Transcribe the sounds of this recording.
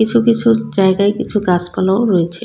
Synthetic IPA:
it͡ɕʰukit͡ɕʰud͡ʑaeɡaekit͡ɕʰuɡaspalaoɾojet͡ɕʰe

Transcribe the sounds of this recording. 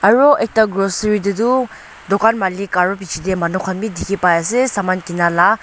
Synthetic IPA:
aɹoek̚taɡɾosɾidudu | dɔkanmalikaɾɔp̬it͡ʃʰidemɐnukʰanmidʱikʰipajasesamankinala

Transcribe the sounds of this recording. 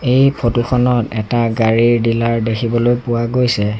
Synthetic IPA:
ejpʰotuxʰɔnɔtɛtaɡaɹiɹdilaɹdekʰibɔlojpʊwaɡojsɛ

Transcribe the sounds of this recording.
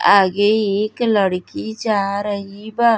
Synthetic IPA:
aɡejiklɐɽkʲid͡ʒaɾajiba

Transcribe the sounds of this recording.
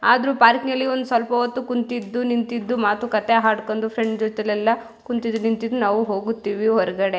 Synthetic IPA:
aːd̪ɾuːpaːɾknɐlːiond̪usʋɐlpɐʋɐt̪ːukunt̪id̪ːunint̪id̪ːumaːt̪ukɐt̪eɦaːɖkond̪upʰɾeɳɖd͡ʒot̪ɛlɛlːɐ | kunt̪id̪ːunint̪id̪ːunaːʋuɦo̞ːɡut̪ːiːʋiɦɔɾɐɡɐɽe̞

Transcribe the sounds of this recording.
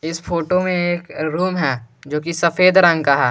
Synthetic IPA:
ɪsfʰoːʈomẽeːkɾuːmɦɛːd͡ʒoːkisɐfeːd̪ɾɐ̃ŋɡkaɦɛː

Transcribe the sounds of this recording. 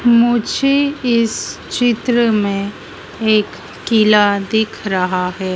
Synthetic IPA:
mʊd͡ʒʱeɪs | t͡ʃɪt̪ɾəmẽ | eːkː | ɪlad̪ɪkʰɾɐɦaɦɛː

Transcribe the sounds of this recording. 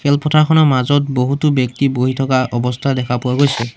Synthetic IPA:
kʰɛlpʰɔtʰakʰɔnɔmazɔt̚boɦutubjɔktiboɦitʰɔkaʔɔbɔstʰadɛkʰapʊwaɡojsɛ

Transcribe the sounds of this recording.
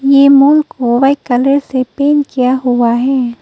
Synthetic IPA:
jemʊ̃ŋkoʋaikɐləɾsepeːnkijaɦʊaɦɛː

